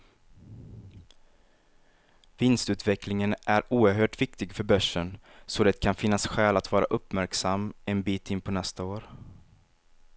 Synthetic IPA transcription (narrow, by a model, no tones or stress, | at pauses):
vɪnst̪ʉ̟ːt̪vɛklɪŋənʔæɾuːəɾɦøːʈvɪkt̪ɪɡfœɾbœʂːənsoːd̪ɛt̪̚kʰanfɪnːasɧɛːlat̪vɑːɾa̰ʔɵpːmæɾksamːɛnbiːt̪ɪnpʰɔnɛst̪aoːɾ